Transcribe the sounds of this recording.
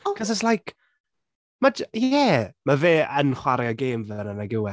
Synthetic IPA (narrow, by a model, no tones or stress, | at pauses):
kʰɔzəslˠajk | madjɛmaveːʔənχwaɾjɔɡeːmvənənaɡɪwɛ